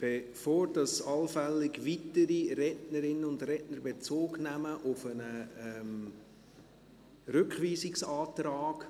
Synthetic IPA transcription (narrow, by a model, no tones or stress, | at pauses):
b̥efoːɾdɑsɑlfɛlːɪɡʋitəɾiɾɛtnəɾɪnəʊndrɛtnəɾbet͡soːɡnæməʔʊfənəɛm | ɾʏkχʋiːzɪksɑːtraːɡ̥